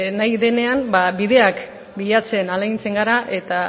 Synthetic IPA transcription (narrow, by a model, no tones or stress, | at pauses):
najðe̞ne̞ambabiðe̞ak | biʎat͡se̞nalajnt͡se̞ŋɡaɾaʔe̞t̪a